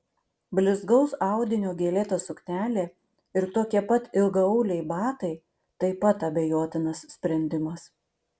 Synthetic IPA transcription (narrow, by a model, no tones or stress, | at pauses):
bʲlʲɪzɡɒʊsɑˑʊd̪ʲɪnʲoːɡʲeːlʲeːt̪ɐsʊkt̪ʲæːlʲeː | ɪɾt̪oːkʲiɛpɐt̪ɪlˠɡɐʊːlʲɛɪbɑːt̪ɐɪ | t̪ɐɪpɐt̪ɐbʲejoːt̪ʲɪnɐssʲpʲɾʲɛnʲd̪ʲɪmɐs